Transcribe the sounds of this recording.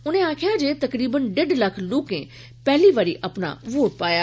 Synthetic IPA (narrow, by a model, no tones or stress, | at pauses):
ʊn̤ẽãːkʰɪjãd͡ʑeːt̪ɐkɾiːbənɖeɖlɐkʰloːkẽ | pɛɦliʋaːɾiʔʔɐpna̰ʋoːʈ̚paːja